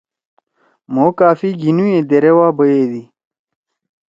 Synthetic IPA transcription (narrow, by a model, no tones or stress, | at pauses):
moːkaːfiɡinujẽd̪eɾewaːbəjeːd̪i